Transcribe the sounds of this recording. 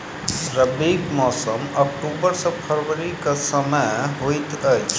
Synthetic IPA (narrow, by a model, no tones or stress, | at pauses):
ɾəbiːɡmɔːsəmɐk̚ʈuːbəɾsepʰəɾʋəɾikasɐməjɦoit̪ə